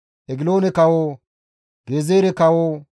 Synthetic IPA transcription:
ʔɛɡɪloːnɛkɐwoː | ɡeːzeːɾɛkɐwoː

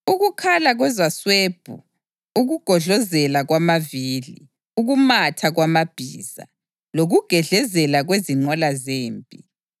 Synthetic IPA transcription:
uɣukʰalaɣwɛzasweːb̥ʱṵ | uɣuɡ̥ʱɔɮɔzɛlaɣwamaviːlḭ | uɣumatʰaɣwamab̥ʱiːz̥a̰ | loɣuɡ̥ʱɛɮɛzɛlaɣweziŋ͡ǃɔlazeːmpʼi

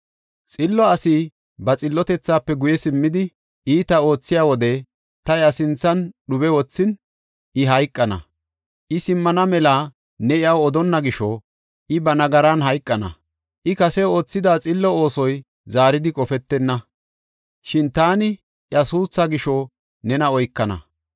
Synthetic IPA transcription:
t͡sʼɪlːɔɐsi | bɐt͡sʼɪlːɔt̪ɛt͡sːaːpːɛɡʊjɛsɪmːɪd̪ɪ | ʔiːt̪ɐo̞ːt͡sːɪjaːwɔd̪ɛ | t̪ɐjɐsɪnt͡sːɐnɗʊbɛwɔt͡sːɪn | ʔɪɦɐjkʼːɐnɐ̰ | ʔɪsɪmːɐnɐmɛla | nɛɪɐwɔd̪ɔnːɐɡɪʃɔ | ʔɪbɐnɐɡɐɾanɦɐjkʼːɐnɐ̰ | ʔɪkɐsɛo̞ːt͡sːɪd̪aːt͡sʼɪlːɔo̞ːsɔj | zaːɾɪd̪ɪkʼɔfɛt̪ːɛnːɐ | ʃɪnt̪aːnɪ | ʔjɐsuːsːaɡɪʃɔ | nɛnɐɔjkːɐnɐ̰

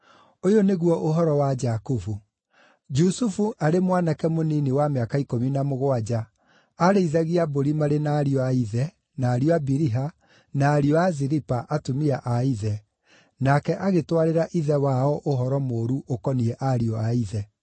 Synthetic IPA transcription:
ojoneɣwɔʔoɦɔɾɔwad͡ʒakufu | d͡ʒusufuʔaɾemwanakɛmoninewameakaikominamoɣoad͡ʒa | aɾeiðaɣiaboɾimaɾenaːɾiɔaiðɛ | naːɾiɔabiɾiɦa | naːɾiɔaziɾipaʔatumiaʔaiðɛ | nakɛʔaɣetwaɾeɾaʔiðɛwaɔʔoɦɔɾɔmoːɾuʔokɔniɛʔaɾiɔaiðɛ

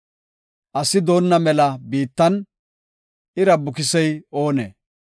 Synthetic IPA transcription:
ʔɐsɪd̪o̞ːnːɐmɛlɐbiːt̪ːɐn | ɪɾɐbʊkɪsɛjo̞ːnɛ̰

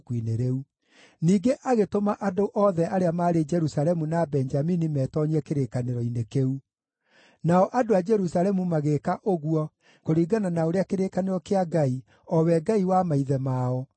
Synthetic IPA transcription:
kwineɾeu | niːɡeʔaɣetomaʔadoʔɔðɛʔaɾeamaːɾed͡ʒɛɾusalɛmunabɛnd͡ʒaminimɛːtɔɲiɛkeɾekaneɾɔinekeu | naɔʔadoad͡ʒɛɾusalɛmumaɣekaʔoɣwɔ | koɾiːɡananaoɾeakeɾekaneɾɔkeaɡai | ɔwɛɡaiwamaiðɛmaɔ

